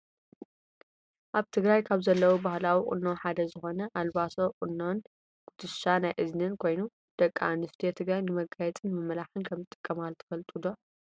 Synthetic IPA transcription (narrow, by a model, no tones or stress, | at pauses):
ʔaβt̪ʰɨɡɾajkʰaβzɐlːɐwubahlawikʼʊ̰nːoħad̪ɐzɨxo̞nɐʔalbasoqʼɨnːon | kʼʊd̪ɨʃanajʔɨznɨnkʰo̞jnu | d̪̥ɐkʼːaanɨst̪ʰijet̪ʰɨɡɾajnɨmɐɡajɛt͡sʼɨnɨmɐmɐlaħɨnkʰɐmɨt̪ʼːɨkʼːɐmalt̪ʰɨ̥fɐlt̪ʼud̪o